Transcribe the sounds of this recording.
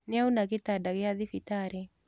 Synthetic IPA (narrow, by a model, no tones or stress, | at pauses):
nɪaunaɣetadaɣeaðifitaɾe